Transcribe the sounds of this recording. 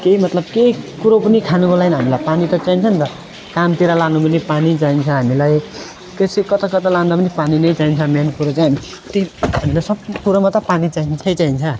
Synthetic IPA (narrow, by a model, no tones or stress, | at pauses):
keimʌt̪lʌb̚keikuɾopʌnikʰanubolajnɦamilajpanit̪ʌt͡saint͡sʰʌnt̪ʌ | kamt̪iɾalanubʌnipanit͡saɦint͡sʰʌɦamilaj | kesekʌt̪ʌkʌt̪ʌlãnd̪apʌnipaninʌjt͡saɦint͡sʰʌmenkuɾot͡sajɦmi | t̪eɦamilajsʌbpuɾomat̪ʌpanit͡saint͡sʰʌjt͡saint͡sʰʌ